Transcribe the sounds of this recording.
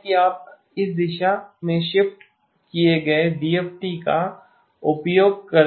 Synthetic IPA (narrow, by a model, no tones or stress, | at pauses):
kiaːp̚ | ɪsd̪ɪʃamẽʃɪfʈ | kijeɡɐeɖiːefʈika | ʊpjoːɡ̚kɐɾ